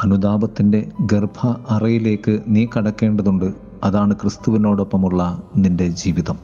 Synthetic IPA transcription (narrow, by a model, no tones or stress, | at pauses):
ɐnud̪aːbɐt̪ːinde̞ɡerbʱɐːrɐjile̞ːkːɨniːkɐɽɐkːe̞ːɳɖɐðuɳɖɨ | ɐðaːɳɨkrɨst̪uʋino̞ːɽo̞pːɐmuɭːɐninde̞d͡ʑiːʋiðɐm